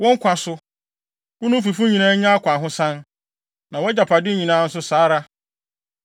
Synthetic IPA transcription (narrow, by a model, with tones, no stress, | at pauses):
wɔ̃˦ŋ̩˦kʷʰã˨sʊ˨ | wʊ˦nʊ̃˦fi˨fũ˦ɲĩ˨nãː˦ɲã˦a˦kʷʰã˨ɦʊ̃˦sã˦n | nã˨wɔ˦d͡ʑa˨pʰa˨dɪ˦ɲĩ˨nãː˨˦n̩˦s̬ʊ˦saː˨˦ɾa˦